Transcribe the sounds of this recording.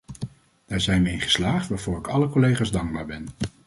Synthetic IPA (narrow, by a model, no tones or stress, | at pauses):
d̥aːɹzɛjnʋəɪŋχə̥slaːχtʋaːɹv̥ʊːɹɪkɑləkolejχaːzdɑŋɡ̚baːɹbɛn